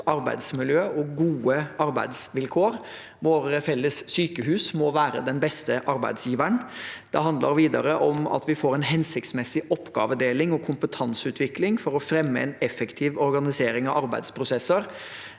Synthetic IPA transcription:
ɑɾbæ̰ɪd̪smɪljøːɔɡuːəɑɾbæ̰ɪd̪sʋɪlkʰoːɾ | ʋoːɾəfɛlːəsːyːkəhʉːsmɔʋæːɾə̰d̪ɛnbɛst̪əʔɑɾbæɪd̪sjiːʋəɳd̪̥ɛ̰ɦɑnd̪ləɾʋiːd̪ɑɾəʔɔmɑ̰t̪ʋɪfoːɾɛnɦɛnsɪkt̪smɛsːɪʔɔpːɡɑ̰ːʋəd̪eːlɪŋɔkʰʊmpət̪ʰɑnsʉːt̪ʰʋɪklɪŋfɔɾɔfɾɛmːəɛ̰nɛfɛkt̪ʰɪːʋɔɾɡɑnɪseːɾɪŋɑʋɑɾbæɪd̪spʰɾʊsɛsəɾ

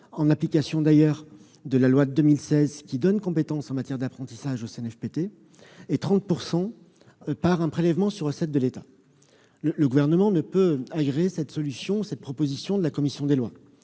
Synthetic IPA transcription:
ɑ̃naplikʲasjɔ̃d̪ajœʁ | d̪əlalwad̪əd̪əmilsɛzkʲid̪ɔnkɔ̃pet̪ɑ̃sɑ̃mat̪jɛʁd̪apχɑ̃t̪i̥saʒoseɛnɛfpet̪eː | t̪χɑ̃t̪̚puʁsɑ̃ | paʁɛ̃pχelɛvmɑ̃syʁəsɛt̪̚d̪əlet̪a | lələɡuvɛʁnəmɑ̃nəpøaɡʁeːsɛt̪sɔlysjɔ̃usɛt̪̚pχɔpozisjɔ̃d̪əlakɔmisjɔ̃d̪elwa

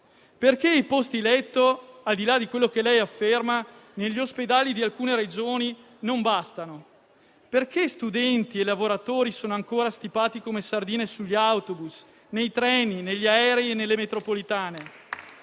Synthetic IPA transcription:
perk̟eipost̪ilɛt̪ːoald̪ilad̪ikwelːokelɛjafːermaneʎːiosped̪aːlid̪ialkuːneɾed͡ʒoːni | nombast̪ano | perkest̪ud̪ɛnt̪ielavoɾat̪oːɾisoːnoaŋkoːɾast̪ipaːt̪ikomesard̪iːnesuʎːawt̪obus | nejt̪ɾɛːnineʎːaɛːɾeienːelːemet̪ɾopolit̪aːne

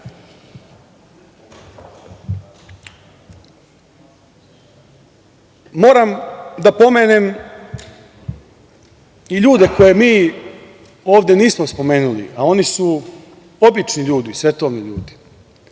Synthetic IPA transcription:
mo̞ːɾamd̪apo̞me̞ːnem | iʎuːd̪e̞ko̞je̞miː | oːʋd̪je̞niːsmospo̞me̞ːnulḭao̞nisu | o̞bit͡ʃniʎuːd̪isʋe̞t̪oːʋniʎṵːd̪i̥

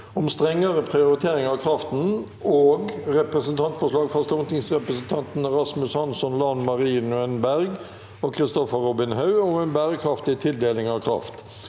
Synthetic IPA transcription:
ʊmst̪ʁɛŋːəɾəpʰʁɪʊɾɪt̪ʰeːɾɪŋɑːʋkʰɾɑft̪n̩ | oːɡʁɛpɾəsənt̪ʰɑnt̪fɔʂlɑːɡfɑst̪ʊŋt̪ɪŋsʁɛpɾəsn̩t̪ʰɑnt̪n̩ɛɾɑsmʉshɑnsɔnlɑnmɑʁiːnʉɛnbæʁɡ | oːkʰʁɪst̪ɔfəʁɔbɪnɦɑʉʊmɛnbæːɾəkʰʁɑft̪ɪt̪ʰɪld̪eːlɪŋɑːʋkʰʁɑ̰ft̪

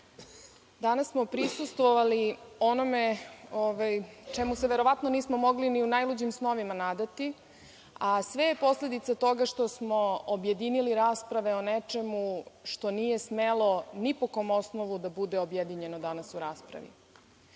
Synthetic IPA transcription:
d̪anasːmo̞pɾisust̪ʋoʋalio̞no̞meoʋajt͡ʃemuseʋe̞ɾo̞ʋat̪no̞niːsmomo̞ɡliniunajlud͡ʑimsno̞ʋimanad̪at̪i | asʋe̞jepo̞sle̞d̪it̪sat̪o̞ɡaʃt̪osmo̞obje̞d̪iniliɾaːspɾaʋe̞onet͡ʃe̞muʃt̪o̞niːje̞smelo̞nipoko̞mo̞snoʋud̪abud̪e̞objed̪iɲe̞nod̪anasuɾaːspɾa̰ʋḭ

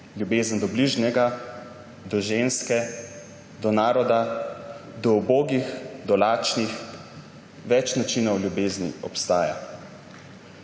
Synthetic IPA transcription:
ljubeːzənd̪ɔbliʒnɛɡa | d̪ɔʒeːnskɛ | d̪ɔnaːɾɔd̪a | d̪ɔuboːɡixd̪ɔlaːt͡ʃnix | ʋɛt͡ʃnat͡ʃiːnɔwljubeːznḭɔ̰pst̪aːja̰

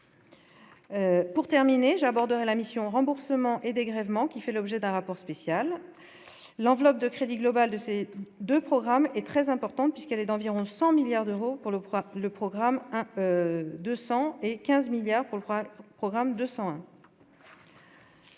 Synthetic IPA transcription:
puʁt̪ɛʁmineʒabɔʁd̪əʁɛlamisjɔ̃ʁɑ̃buʁsəmɑ̃ʔed̪eɡʁɛvmɑ̃kʲifɛlɔbʒɛd̪ɛ̃ʁapɔʁspesjalː | ɑ̃vlɔp̚d̪əkχed̪iɡlɔbald̪əsed̪øpχɔɡʁamɛt̪χɛzɛ̃pɔʁt̪ɑ̃t̪̚pɥiskɛlɛd̪ɑ̃viʁɔ̃sɑ̃miljaʁd̪øʁopuʁləpχɔɡʁamɛ̃ød̪øsɑ̃ekʲɛ̃zmiljaʁpuʁləpχɔɡʁamd̪øsɑ̃ɛ̃

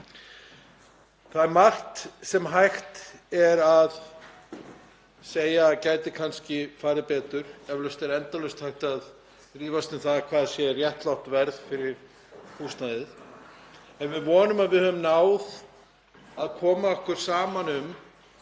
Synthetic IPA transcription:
θaðmar̥t̪sɛmɦajxt̪ɛɾað | seːjacaːjt̪ɪkʰanscɪfaːɾɪpɛːt̪ʏɾ̥ɛvlœst̪ɛɾɛnt̪alœst̪hajht̪að | riːvast̪ʏmθaðkʰvaːðasjɛrjɛht̪lawht̪vɛɾðfɪɾɪɾ̥ | hust̪najðɪθ | ɛnvɪðvɔːnʏmaðvɪðhœvʏmnaːwð | aðkʰɔːmaɔhkʏɾ̥saːmanʏm

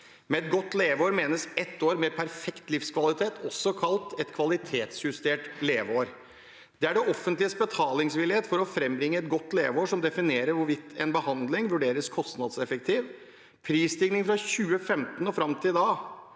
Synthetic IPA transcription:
mɛɛt̪̚ɡɔt̪ːleːʋəoːɾmeːnəsɛt̪ːoːɾmɛpʰæɾfɛkt̪lɪfskʰʋɑlɪt̪ʰeːt̪ʰɔsːɔkʰɑlt̪ɛt̪kʰʋɑlɪt̪ʰeːt̪sjʉst̪eːʈleːʋəoːɾ | d̪̥ɛæɖɛʔɔfːənt̪lɪəsbət̪ʰɑːlɪŋsʋɪlːɪeːt̪fɔɾɔfɾɛmbɾɪŋːəɛt̪ɡɔt̪ːleːʋoːʂɔmd̪ɛfɪneːɾəɾʋʊɾʋɪt̪ʰːɛnbəhɑnd̪lɪŋʋʉɖeːɾəskʰɔst̪nɑd̪sɛfək̚t̪ʰiːʋ | pʰɾiːst̪ɪːɡnɪŋfɾɑçʉːəfɛmt̪nɔfɾɑmt̪ʰɪd̪ɑː

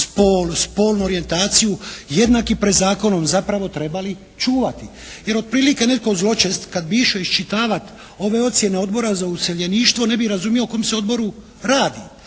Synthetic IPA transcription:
spoːlspo̞ːlnuo̞ɾije̞nt̪aːt̪sijuje̞d̪nakipɾed̪zaːko̞no̞mzapɾaʋo̞t̪ɾe̞bali | t͡ʃuːʋat̪i | je̞ɾo̞d̪̚pɾiːlikene̞t̪̚ko̞zlo̞t͡ʃe̞st̪kad̪biʃoiʃt͡ʃit̪aːʋat̪ | o̞ʋe̞o̞t̪sje̞ne̞o̞d̪bo̞ɾazauseʎe̞niːʃt̪ʋo̞ne̞biɾazumjiokomseo̞d̪bo̞ɾu | ɾaːd̪i

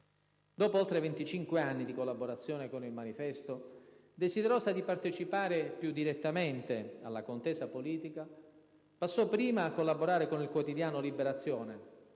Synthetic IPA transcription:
d̪ɔːpoolt̪ɾevent̪it͡ʃiŋkweanːid̪ikolːaboɾat̪sːjɔːnekonilmanifɛst̪o | d̪esid̪eɾoːsad̪ipart̪et͡ʃipaːɾepjud̪ːiɾet̪ːament̪ea̰lːakont̪ɛːsapoliːt̪ika | pasːɔpːɾiːmaːkːolːaboɾaːɾekonilkwot̪id̪jaːnolibeɾat̪sːjɔːne

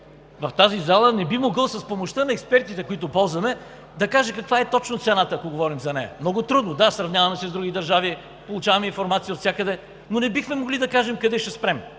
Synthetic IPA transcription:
vɐft̪azizalˠənɛbimoɡəlˠsɐspomoʃt̪ənɐɛkspɛɾt̪it̪ɛkoit̪ʊpɔlˠzvɐmɛ | d̪ɐkaʒɛkɐkvaɛt̪ɔt͡ʃnot̪sɛnat̪əːkoɡovɔɾimzɐnɛjɐ̰mnɔɡʊt̪ɾud̪nod̪asɾɐvnʲjavɐmɛsɛzd̪ɾuɡʲid̪ɐɾʒavi | polˠʊt͡ʃavɐmɛinfoɾmat̪sijəot̪sʲakəd̪ɛ | nonɛbixmɛmoɡlid̪ɐkaʒɛmkɐd̪ɛʃt̪ɛspɾɛm

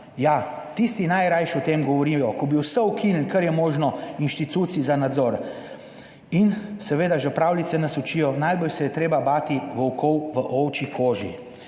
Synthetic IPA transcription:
ja | t̪ist̪inajɾajʃut̪emɡɔʋɔɾijɔkɔbiwsəukʰinlkɐɾjɛmoːʒnɔinʃt̪it̪uːt̪sizanad̪zɔɾ | insɛʋeːd̪aʒɛpɾaːwlit̪sɛnasɔt͡ʃiːjɔnajbɔlsɛjɛt̪ɾeːbabaːt̪iʋɔwkʰɔwʋəʔɔwt͡ʃikʰoːʒi

